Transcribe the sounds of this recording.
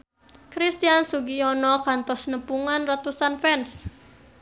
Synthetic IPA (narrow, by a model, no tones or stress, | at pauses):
kɾist̪iansuɡiɔnɔkant̪ɔsnəpuŋanrat̪usanfɛns